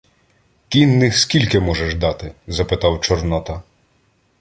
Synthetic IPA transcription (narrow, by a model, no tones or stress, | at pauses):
kʲinːɪxskʲilʲkɪmɔʒɛʒd̪ɑt̪ɪzɐpɪt̪ɑwt͡ʃɔrnɔt̪ɐ